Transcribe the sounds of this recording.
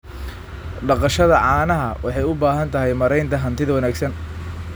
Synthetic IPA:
ɖɑqɑʃɐðɐʕɑːnɐɦɐwʔɑħɑjʊbaːɦɐnt̪ʰɐɦɛjmɐɾɛjnt̪ʰɐɦɐnt̪ʰɪðɐwɑnaːɡsɐn

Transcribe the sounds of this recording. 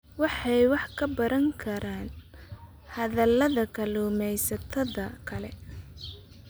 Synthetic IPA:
wɑħɑjwɑħkʰɐbɐɾɐŋkʰɐɾaːn | hɐðɐlɐðɐkʰɐluːmɛjsɐt̪ʰɐðɐkʰɐlɛ

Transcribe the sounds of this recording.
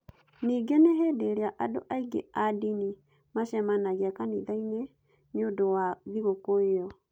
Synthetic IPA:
niːɡeneɦedeɾeaʔado̰ʔaiɡḛadini | maʃɛmanaɣeakaniðaine | neodowaðiɣokoeɔ

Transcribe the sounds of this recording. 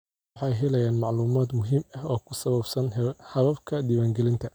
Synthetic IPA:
ħɑjɦɛlɛjaːnmɑʕluːmaːd̪mʊɦiːmɐɦɔːkʰʊsɐβɐbsɐnhɐβɐbkʰɐd̪iwaːŋɡɛlɪnt̪ʰɐ

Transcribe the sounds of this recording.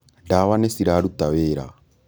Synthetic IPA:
ndawanɛsiɾaɾut̪aβeːɾa̰

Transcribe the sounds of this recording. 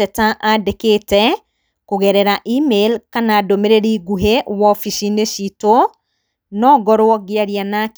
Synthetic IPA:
ɛtaʔadekeːtɛ | kuɣɛɾɛɾaʔimelkanaːdomeɾeɾiɡuɦewɔfiʃineʃito | nɔːɡɔɾwɔɣjaɾjanak

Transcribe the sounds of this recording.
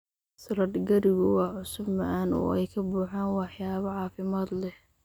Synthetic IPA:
sɐɾɐd̪ɡɐɾɪɣʊwɑːʕʊsʊbmɐʔaːnɔ̰ːɛjkʰɐbuːħaːnwɑħjaːβɐʕɑːfɪmaːd̪lɛh

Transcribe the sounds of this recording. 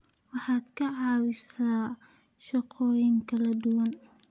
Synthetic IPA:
wɑħɑːd̪kʰɐʕɑːwɪsaː | ʃɑqʰɔːjɪŋkʰɐlɐd̪ʊwɐn

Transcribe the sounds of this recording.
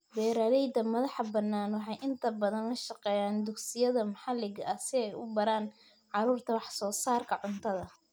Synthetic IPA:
bɛːɾaːlɛjd̪ɐmɐðɑħɑbɐnːaːnwɑħɑjʔɪnt̪ʰɐbɐðɐnɐʃɑqɛːjaːnd̪ʊɡsɪjɐðɐmɐħɑlɪɡʔɐsɪɛjʔʊ̰bɐɾaːn | ʕɑɾuːrt̪ʰɐwɑħsɔːsaːrkʰɐʕʊnt̪ʰɐðɐ

